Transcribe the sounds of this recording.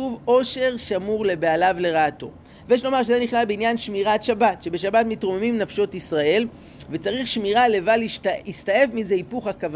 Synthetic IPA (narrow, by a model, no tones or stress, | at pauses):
uvo̞ʃe̞ʁʃamuʁle̞bealavle̞ʁaːto̞̰ | vejeʃlo̞maʁʃezeniχnalbeinjanʃmiʁat̪ʃabatʃe̞beʃabatmitʁomemimnafʃo̞tisʁae̞l | vet͡saʁiχʃmiʁale̞valiʃtistaje̞fmize̞ipuχakav